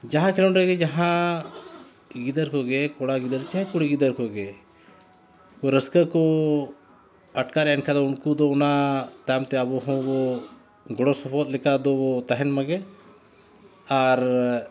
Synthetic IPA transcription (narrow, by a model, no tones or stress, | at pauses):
d͡ʒaɦãkʰɛlɔnɾɛɡɛd͡ʒaɦã | ɡid̪əɾkɔɡɛkɔɽaɡid̪əɾt͡ʃaɦɛkuɽiɡid̪əɾkɔɡɛ | kɔɾəskəkɔ | əʈkaɾɛɛnkʰad̪ɔunkud̪ɔunat̪amt̪ɛəbɔɦɔ̃bɔ | ɡɔɽɔsɔpʰɔt̪̚lɛkad̪ɔbɔt̪aɦɛnmaɡɛ | aɾ